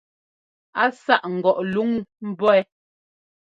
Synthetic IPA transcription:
a˦sa˦˨ʔŋ̩˨ɡɔ˨ʔlu˨˦ŋm̩˦bɔ˦ɛ˦

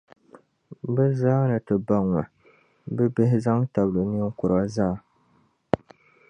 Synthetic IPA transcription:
bɛ˦zaː˦nɨ˨tɨ˨ba˦ŋwa˨ | bɛ˦be˦ɦɪ˦za˦ŋta˨blo˨ni˦ŋ˦kʊ˨ɾa˦zaː˦˨

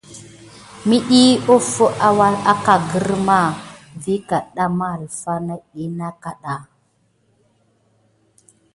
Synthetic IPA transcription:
mi˦ɗi˦o˦fo˦ʔa˦wa˦la˦ka˨ɡə˦ɾma˦˨vi˦ka˨ɗa˦ma˦˨lfa˦na˦ɗi˦na˦ka˨ɗa˨

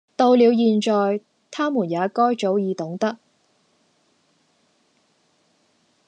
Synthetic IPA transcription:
t̪o˧wliː˨˧wjiː˧nt͡ʃɔː˨˧j | t̪ʰaː˥muː˨˩njaː˨˧˥kɔː˥jt͡ʃo˨˥wjiː˨˧t̪ʊ˨˥ŋt̪ɐ˥k̚

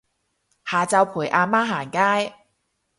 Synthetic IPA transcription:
haː˨˩t͡sɐ˧wpʰuː˨˩jʔaː˧maː˥ɦaː˨˩nkaː˥j

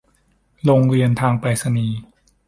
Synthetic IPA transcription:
ɾoː˧ŋɾiː˧ənt̪ʰaː˧ŋpa˧jsa˧niː˧

